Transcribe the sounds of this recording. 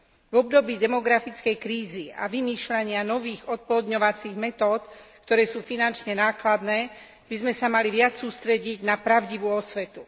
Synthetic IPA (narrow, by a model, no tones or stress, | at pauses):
vɔb̚d̪ɔbiːd̪ɛmɔɡɾafit͡skɛjkɾiːzia̰ʋimiːʃlaɲɪanɔʋiːɣɔt̪̚pɔlɔd̪ɲɔʋat͡siːɣmɛt̪ɔːt̪kt̪ɔɾɛːsuːfinant͡ʃɲɛnaːklad̪nɛː | bizmɛsamaliʋɪat͡ssuːst̪ɾɛɟiɟnapɾaʊɟiʋuːɔsʋɛt̪u